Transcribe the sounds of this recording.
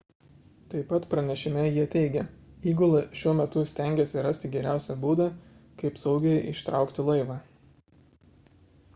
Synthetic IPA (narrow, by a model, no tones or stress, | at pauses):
t̪ɐɪpɐt̪pɾɐnʲɛʃʲɪmʲɛjiɛt̪ʲɛɪɡʲɛiːɡʊlˠɐʃʲuɔmʲɛt̪ʊsʲt̪ʲɛˑŋʲɡʲesʲɪɾɐsʲt̪ʲɪɡʲɛɾʲæˑʊsʲɛbuːd̪ɐ | kɐɪpsɐʊɡʲɛjʔɪʃt̪ɾɑˑʊkt̪ʲɪlˠɐɪʋɑː